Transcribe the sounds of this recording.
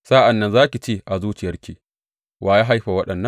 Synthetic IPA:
saː˦ʔa˨nːɐ˦nzaː˦kʲi˨t͡ʃeː˦˨ʔa˨zuː˦t͡ʃɪ˨jɐ˦rkʲiː˨ | wʔaː˨jaː˦ɦa˦jɸa˨wɐ˦ɗɐ˨nːɐ˦

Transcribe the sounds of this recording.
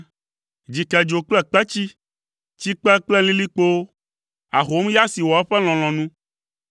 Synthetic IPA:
d͡ʑi˨kɛ˨d͡ʒo˨k͡plɛ˦k͡pɛ˦t͡ɕi˦ | t͡ɕi˦k͡pɛ˦k͡plɛ˦lĩ˦li˦k͡po˦ | a˨ɦo˦m˦ja˦si˨wɔ˨ɛ˦ɸɛ˦l̃ɔ̃˨l̃ɔ̃˨nũ˦

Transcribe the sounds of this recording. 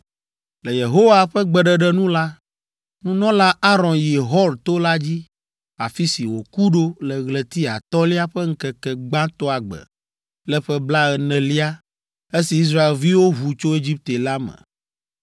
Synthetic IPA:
lɛ˨je˨ɦo˦wa˨ɸɛ˦ɡ͡bɛ˨ɖɛ˨ɖɛ˦nũ˦la˦ | nũ˦nɔ̃˦la˦a˦ɾɔ̃˨nji˨ɦɔ˦lt̪o˦la˦d͡ʑi˦ | a̰˨fi˦si˨wo˨ku˦ɖo˦lɛ˨ɣlɛ˨t̪i˦a̰˨t̪ɔ˦li˦a˦ɸɛ˦ŋ̩˦kɛ˨kɛ˨ɡ͡bã˦t̪ɔ˦a˨ɡ͡bɛ̰˨ | lɛ˦ɸɛ˦bla˦ɛ˨nɛ̃˨li˦a˦ | e˦si˨i˦s̬ɾa˦e˨lvi˦wo˦ɦu˨t͡ʃo˦e˦d͡ʑi˦p̚t̪e˨la˦mɛ̰̃˨

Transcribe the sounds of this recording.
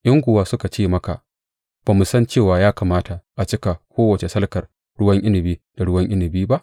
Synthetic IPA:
ʔɪ˦ŋɡʷʊ˨waː˦sʊ˦ka˨t͡ʃeː˦˨mɐ˦ka̰˨ | b̥aː˨mu˨sɐ˦nt͡ʃeː˦˨waː˨jaː˦kaː˨maː˦ta˨ʔa˨t͡ʃɪ˦ka˨kʷoː˦wɐ˨t͡ʃe˨sɐ˦lkɐ˨r | ɽʊ˦wɐ˦ŋʔɪ˦nɪ˨biː˦d̥a˨ɽʊ˦wɐ˦ŋʔɪ˦nɪ˨biː˦ba˦ʔ

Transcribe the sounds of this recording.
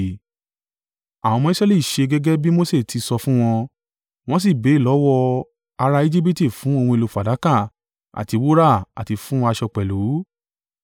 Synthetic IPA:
a˨w̃ɔ̃˧mɔ̃˧i˦sɾɛ˦li˦˨i˨ʃe˧ɡɛ˦ɡɛ˦bi˦mo˦se˦˨tʰi˧sɔ˧fũ˦w̃ɔ̃˧ | w̃ɔ̃˦s̬i˦˨be˨˦˨lɔ˨˦wɔ˧ | a˧ɾa˧i˦d͡ʒi˦p̬i˦ti˦˨fũ˨˦o˧wɔ̃˧e˧lo˧fa˨da˨˦kã˦˨ | a̰˨ti˧wo˦ɾa˦˨a̰˨ti˧fũ˦w̃ɔ̃˧a˧ʃɔ˧k͡pɛ˨lu˨˦

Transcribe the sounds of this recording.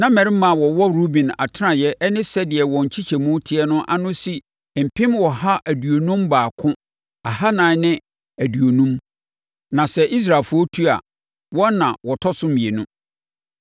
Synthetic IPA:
nã˦mɛ̃˨ɾɪ˦mã˨wɔ˨wɔ˦ɾu˦bĩ˨na̰˨tʰɪ˦nã˨jɛ˦ʔnɪ̃˦sɛ˦dɪ˨ɛ˨wɔ̃˨ɲ̩˨t͡ɕʰi˦t͡ɕʰɛ˨mũ˦tʰɪ˦ɛ˦nʊ̃˦ʔa˦nʊ̃˦si˨ | m̩˨pʰɪ̃˦mwɔ˨ha˦ʔæ˨du˨o˨nũ˦mbaː˨kʰʊ̃˦ | a˨ha˦nãː˨˦nɪ̃˦ | æ˨du˨o˨nũ˦m | nã˨sɛ˨ʔi˦s̬ɾaː˨fu˦o˦tʰu˦a̰˨ | wɔ̃˦nã˨wɔ˨tʰɔ˦sʊ̃˦mĩ˨e˨nʊ̃˦

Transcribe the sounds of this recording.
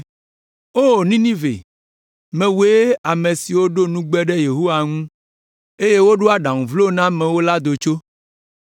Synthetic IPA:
o˦˨nĩ˦nĩ˦vḛ˨ | mẽ˨we˦a˨mẽ˨si˨wo˦ɖo˦nũ˦ɡ͡bɛ˦ɖɛ˦je˨ɦo˦wa˨ŋũ˦ | e˦je˦wo˦ɖo˦a˨ɖã˨ŋũ˨vlo˦nã˦mɛ̃˨wo˦la˦d̪o˨t͡ʃo˦

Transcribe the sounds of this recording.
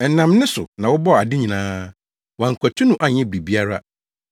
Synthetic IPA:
nã˨mnʊ̃˦sʊ˨nã˨wʊ˦bɔ˦˨a˨dɪ˦ɲĩ˨nãː˦ | wã˨ŋ̩˨kʰʷɔ˨tʰu˦nʊ̃˦˨ʔa˨ɲɛ̃˦˨bɾi˨bi˦a˦ɾa˦

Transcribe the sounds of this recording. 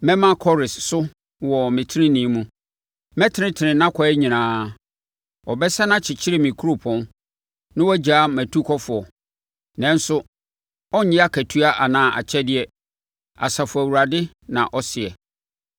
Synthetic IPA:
mɛ̃˦mã˦kʰɔ˦ɾɪ˨ssʊ˦ | wɔ˨mɪ̃˨tʰɪ˦ɾɪ̃˦nĩ˨˦mũ˦ | mɛ̃˦tʰɪ˦nɪ̃˦tʰɪ˨nɪ̃˨nã˦kʰɔ˨ɛ˦ɲĩ˨nãː˨˦ | ɔ˨bɛ˦sa˦nã˦t͡ɕʰɪ˨t͡ɕʰɪ˦ɾɪ˦mĩ˨kʰu˦ɾo˨pʰɔ̃˦n | nɪ̃˦wɔ˦d͡ʑaː˨˦mæ̃˨tʰu˦kʰɔ˦fʊ˨ɔ˨ | nɛ̃˦n˦sʊ˦ | ɔ˦ɲɪ̃˦a˦kʰæ˨tʰu˦a˦ʔa˨nãː˨ʔa̰˨t͡ɕʰɛ˦dɪ˨ɛ˦ | a̰˨sa˨fʊ˨æ˨wu˨ɾa˨dɪ˦ | nã˨ʔɔ˦sɪ˨ɛ˨

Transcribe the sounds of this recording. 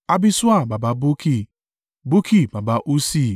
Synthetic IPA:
a˦bi˦su˦a˦˨ba˨ba˨bo˦kʰi˦˨ | bo˦kʰi˦˨ba˨ba˨ʔu˦si˦˨

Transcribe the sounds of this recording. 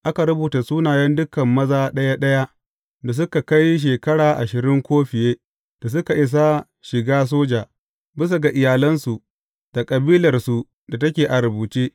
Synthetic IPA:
ʔa˦ka˨ɾʊ˦buː˨ta˨suː˦naː˨jɐ˦ndʊ˦kɐ˨mːɐ˦zaː˦ɗɐ˦ja˦ɗɐ˦ja˦ʔ | da˨s̬ʊ˦ka˨ka˦jʃ̬eː˨kɐ˦ɽaː˨ʔa˨ʃɪ˨ɾɪ˦ŋkʷoː˦ɸɪ˨jeː˦ | d̥a˨s̬ʊ˦ka˨ʔɪ˦s̬a˦ | ʃɪ˨ɡaː˦s̬oː˦d͡ʒaː˨ | bɪ˦s̬a˨ɡa˨ʔɪ˨jaː˨lɐ˦nsu˨ | d̥a˨kʼɐ˨biː˦lɐ˨rsu˨ | da˨tɐ˦kʲeː˨ʔa˨ɾbuː˨t͡ʃeː˦

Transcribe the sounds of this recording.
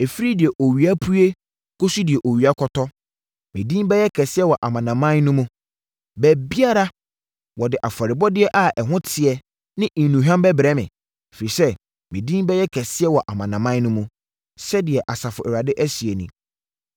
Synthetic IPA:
e˨fi˦ɾi˦dɪ˨ɛ˨ʔo˨ɥi˨a˦pʰu˦e˦ | kʰo˦su˦dɪ˨ɛ˨ʔo˨ɥi˨a˦kʰɔ˨tʰɔ˦ | mɪ̃˨dĩ˦m˦bɛ˦jɛ˦kʰɛ˨sɪ˦ɛ˦wɔ˨ʔa˨mã˨nã˨mã˦nnʊ̃˦mũ˦ | bæ˨bi˦a˦ɾa˦ | wɔ˨dɪ˨ʔa˨fa˨ɾɪ˨bɔ˦dɪ˦ɛ˦ʔa˨ʔɛ˨ɦʊ̃˦tʰɪ˨ɛ˨ | nɪ̃˦˨nũ˨ɦᶣã˦m˦bɛ˦bɾɛ˦mɪ̰̃˨ | fe˨ɾi˨sɛ˦ | mɪ̃˨dĩ˦m˦bɛ˦jɛ˦kʰɛ˨sɪ˦ɛ˦wɔ˨ʔa˨mã˨nã˨mã˦n˦nʊ̃˦mũ˦ | sɛ˦dɪ˨ɛ˨ʔa˨sa˨fʊ˨ɛ˨ɾa˨dɪ˦ʔæ˦si˨e˨nḭ̃˨

